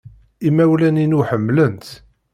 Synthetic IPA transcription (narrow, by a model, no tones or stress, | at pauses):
imæwlæninuħəmːlənt̪